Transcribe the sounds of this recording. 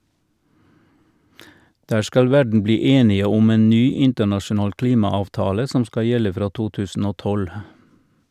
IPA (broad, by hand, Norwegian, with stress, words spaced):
ˈdæː ˈskɑl ˈʋæɖɳ̩ ˈbliː ˈeːnɪə ˈʊm ˈeːn ˈnyː ˈɪntəɳɑʃʊˌnɑːl ˈkliːmɑɑʋˌtɑːlə ˈsɔm ˈskɑ ˈjɛlə ˈfɾɑː ˈtuː ˈtʉːsn̩ ˈoː ˈtɔl